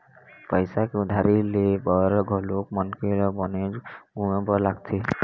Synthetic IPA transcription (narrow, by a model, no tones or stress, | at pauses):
pɔjsakud̪ʱaɾilebɔɾɔɡʱɔlok̚mɔnkiɾɔbɔneɡumebɔlaɡ̚t̪ʰi